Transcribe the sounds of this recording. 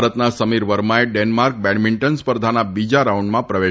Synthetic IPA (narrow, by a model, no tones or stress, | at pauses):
ɾət̪nasəmiɾʋəɾmaeɖenmaɾk̚bɛɽmiɳʈənspəɾd̪ʱanabid͡ʒaɾauɳɖmãpɾəʋe